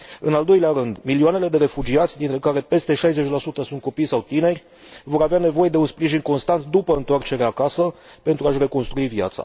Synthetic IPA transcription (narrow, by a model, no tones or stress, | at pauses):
ɨ̰nald̪o̞jleaɾɨnd̪miliuane̞le̞d̪e̞ɾe̞fud͡ʒiat̪sʲd̪int̪ɾe̞kaɾe̞pe̞st̪e̞ʃajze̞t͡ʃʲlasut̪əsunt̪̚ko̞pijsawt̪ine̞rʲ | vo̞ɾaveane̞vo̞je̞d̪e̞unspɾiʒinko̞nst̪ant̪d̪upəɨnt̪oart͡ʃe̞ɾeakasə | pe̞nt̪ɾuaʃre̞ko̞nst̪ɾuivja̰t̪sa̰